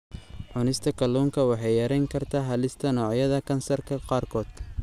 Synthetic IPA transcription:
ʕʊnɪst̪ʰɐkʰɐluːŋkʰɐwɑħɑjɐɾɛjŋkʰɐrt̪ʰaːɦɐlɪst̪ʰɐnɔːʕjɐðɐkʰɐnsɐrkʰɐqɑːrkʰɔːd̪̥

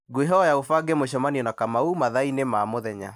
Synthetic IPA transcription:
ɡweɦɔjaofaɡemoɕ̬ɔmaniɔnakamaumaðainemamoðɛɲa̰

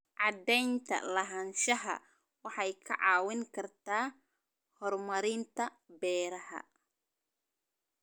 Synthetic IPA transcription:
ʕɑd̪ɛjnt̪ʰɐ̰lɐɦɐːnʃɐɦɐ̰ | wɑħɑjkʰɐʕɑːwɪŋkʰɐrt̪ʰaː | hɔrmɐɾɪnt̪ʰɐ | bɛːɾɐhɐ̰

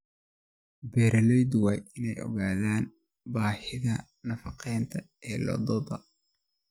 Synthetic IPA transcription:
bɛːɾʔɐlɛjd̪wɑːjʔɪnɛjɔ̰ɣaːðaːn | baːħɪðɐ | nɐfɑqʰɛjnt̪ʰɐ | ɛːlɔ̰d̪ɔðɐ̰

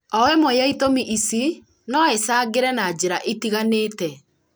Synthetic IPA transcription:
ɔwɛmoeaitomiʔisi | nɔesaːɡeɾɛnad͡ʑeɾaʔetiɣaneːtɛ

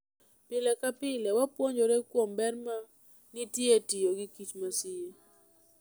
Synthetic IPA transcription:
pɪlɛkapɪlɛwapwoɲoɾekwombɛrma | nɪtjetijoɡikit͡ʃmasije

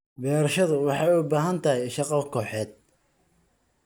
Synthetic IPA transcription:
bɛːɾɐʃɐðʊwɑħɑjʊbaːɦɐnt̪ʰɐɦɛjʃɑqɑkʰɔːħɛːd̪̥̚

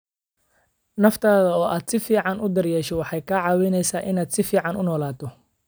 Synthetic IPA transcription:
nɐft̪ʰaːðɐɔːʔaːd̪sɪfiːʕɑnʔʊd̪ɐrjɛːʃɔwɑħɑjkʰaʕɑːwɛjnɛjsaːʔɪnaːd̪sɪfiːʕɑnʊnɔːlaːt̪ʰɔ

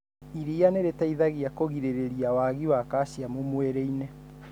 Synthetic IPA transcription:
iɾianeɾetaiðaɣiakoɣiɾeɾeɾiawaɣiwakaːɕjamomweɾeinɛ

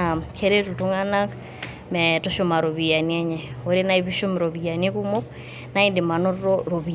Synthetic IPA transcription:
akʰeɾetutuŋanak | mɛtoʃomaɾoβijaniɛɲɛoɾenaiβiʃomɾoβijanikumok | naindimanotoɾoβi

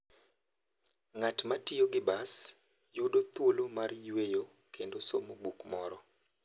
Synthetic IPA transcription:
ŋatmatɪoɡɪbas | jodot̪wolomarjwejo | kendosomobukmɔɾɔ

